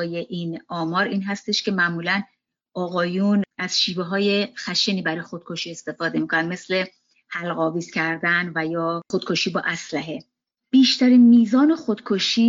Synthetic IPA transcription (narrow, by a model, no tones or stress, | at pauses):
je̞ʔinɒːmɒːɾiːnɦæst̪e̞ʃcʰe̞mæʔmuːlæn | ʔɒːɣɒːjunʔæz̥ʃiːveɦɒːje̞xæʃeniːbæɾɒːjexod̪̥̚kʰo̞ʃiːe̞st̪e̞fɒːd̪e̞miːkʰonæn̚me̞sle̞ | hælɣɒːviːz̥cʰæɾd̪ænvæjɒːxod̪̥̚kʰoʃiːbɒːʔæslæɦe̞ | b̥iːʃt̪ʰæɾinmiːzɒːne̞xod̪̥kʰoʃiː